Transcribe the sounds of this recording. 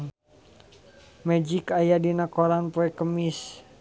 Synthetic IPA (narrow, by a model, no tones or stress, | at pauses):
mɛd͡ʒikajadinakoɾanpoɛkəmis